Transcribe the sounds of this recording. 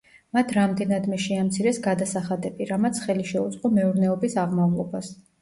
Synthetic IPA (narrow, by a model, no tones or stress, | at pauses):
mat̪ʰɾamd̪ɛnad̪mɛʃɛamt̪sʰiɾɛsɡad̪asaχad̪ɛbiɾamat̪sʰχɛliʃɛud̪zʼqʼɔmɛuɾnɛɔbisaʁmavlˠɔbas